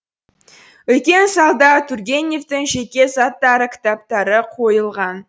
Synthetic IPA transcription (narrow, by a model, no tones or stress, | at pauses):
wɵt̪̚kʲe̞nsɑlˠd̪ɑt̪ʰuɾɡʲe̞nʲeft̪ɪŋʒe̞kʲe̞sɑt̪ːɑɾəkʲʰɪ̥t̪ap̚t̪ɑɾəqʰo̞jəlˠʁɑn